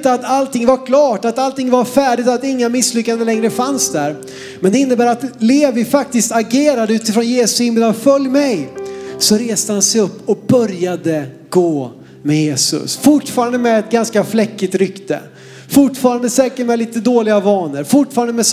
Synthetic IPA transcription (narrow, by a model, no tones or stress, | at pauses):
t̪əat̪alt̪ʰɪŋvaɾkʰlɑːʈat̪alt̪ɪŋːvaɾfæːɖɪt̪at̪ɪŋːamɪslʏkːanəlɛŋɾəfansd̪æɾ | mɛnd̪ɛɪnːəbæːɾat̪leːvɪfakt̪ɪst̪aɡeːɾad̪əʉ̟ːt̪ɪfɾɔːnjeːsʊ̥sɪmblanfœljmɛjsɔɾeːst̪əhansɛjɵpːɔbœɾjad̪ə | ɡ̥oː | mɛjeːsɵ̰sfʊʈfɑːɾand̪əmɛɛt̪̚ɡanskaflɛkːɪt̪ɾʏkt̪ə̰ | fʊʈfɑːɾand̪əsɛːkəʈmɛliːt̪əd̪oːlɪɡavɑːnəɾfʊʈfɑːɾand̪əmɛs